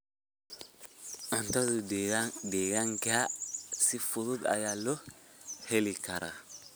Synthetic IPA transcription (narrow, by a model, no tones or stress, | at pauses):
antazudeɡaŋɡasifutud̪a̰jalːɔhelikaɾa̰